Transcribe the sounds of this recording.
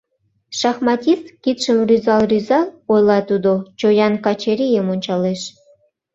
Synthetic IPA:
ʃɑxmɑt̪ʲist̪kʲit̪ʃə̆mrʲyzɑlˠryzɑlˠojlˠɑt̪ud̪ot͡ɕojɑnkɑt͡ɕeɾʲijəmonʲt͡ɕɑleʃ

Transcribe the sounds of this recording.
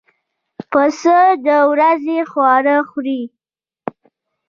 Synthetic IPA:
pəsəd̪əwɾazexwɑɾəxɾi

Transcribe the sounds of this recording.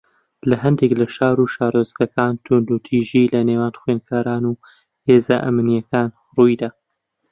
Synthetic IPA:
lɐɦɐnd̪eklɐʃaːɾuːʃaːɾozkɐkaːnt̪ʰʊnd̪ut̪ʰiːʒilɐneːwaːnxwenkʰaːɾaːnu | heːzaʔɐ̰mnijɐkaːn | rujd̪aː

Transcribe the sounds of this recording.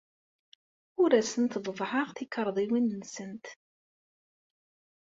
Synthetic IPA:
ʊɾæsənt̪vˤvħəʁθikːəɾˤðˤiwinnsənt̪

